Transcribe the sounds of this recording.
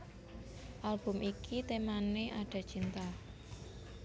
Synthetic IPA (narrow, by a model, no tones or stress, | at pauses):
ʔalb̥ʊ̤mʔikʰit̪emaneʔaɖ̥a̤t͡ʃint̪a